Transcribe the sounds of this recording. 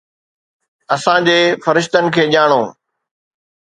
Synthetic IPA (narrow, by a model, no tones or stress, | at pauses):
ɐsãd͡ʑeːfɐɾɪʃt̪ənɪ̆kʰeːʄaːɽ̃oː